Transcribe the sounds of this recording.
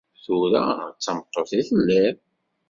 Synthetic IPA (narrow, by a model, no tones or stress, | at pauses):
θuɾæt͡sːəmət̪ˤːoθiθəlːæɾ